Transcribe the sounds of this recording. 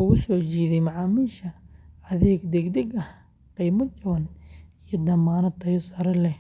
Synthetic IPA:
ʊɣʊsɔːt͡ʃiːðɛjmɑʕɑːmiːʃɐɐðɛːɡd̪ɛɡd̪ɛɡɐh | qiːmɐd̪̚t͡ʃɐwɐnijɐd̪ɐmaːnɐt̪ʰɐjɔsɐɾɐlɛ

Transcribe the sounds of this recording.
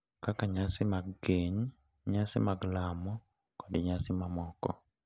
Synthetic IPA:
kakaɲasimaɡɡeːɲi | ɲaːsimaɡlaːmo | kodiɲaːsimamoːkɔ̰

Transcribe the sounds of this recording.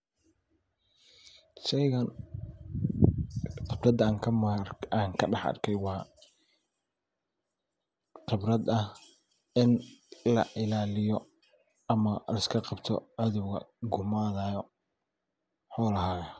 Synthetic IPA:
ʃɛjɣɐn | qɪbrɐd̪ːŋkʰɐmaːŋkʰɐɖɑħɐ̰rkʰɛjwɑː | qɪbrɐd̪ɐh | ɪnlɐʔɪlaːlɪjɔ | ɐmɐlɐɪskʰɐqɑbt̪ʰɔ̰ʔɐðuwɣɐ̰ɡʊmaːðaːjɔ | ħɔːlɐɦaːɣɐ

